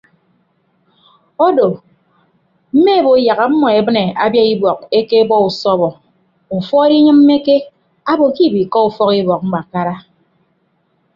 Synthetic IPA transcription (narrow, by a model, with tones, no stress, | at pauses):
ɔ˦do˨ | m̩˦me˦˨bo˨ja˨ɣa˨m̩˦mɔ˨e˨bɨ˦ne˨a˨bja˦i˦bwɔ˨k̚e˦ke˦bɔ˦u˨sɔ˦βɔ˨ | fɔ˦e˦ɾi˦ɲɨ˦mm̩ː˦e˦ke˦ | a˦bo˨ki˦˨bi˨kɔ˦u˦fɔ˦ki˦bɔ˨k̚ŋ͡m̩˦ɡ͡ba˨ka˦ɾa˦